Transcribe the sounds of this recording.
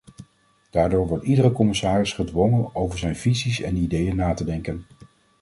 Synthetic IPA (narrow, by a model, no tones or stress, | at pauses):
d̥aːɹdoːɹʋɔɹtidərəkɔmɪsaːrɪsχədʋɔŋənowvəɹzɛjnv̥izisɛ̰nidejənːaːtədɛŋkən